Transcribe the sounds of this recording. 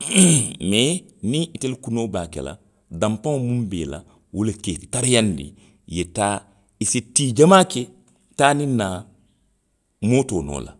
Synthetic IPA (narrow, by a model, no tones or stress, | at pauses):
menĩʔitelkunoːbaːkḛla̰ | dãmpãŋmũmbḛːla̰ | wuleketaɾijandḭ | jetaː | isitiːd͡ʒamaːke | taːnina | moːtoːno̰ːla̰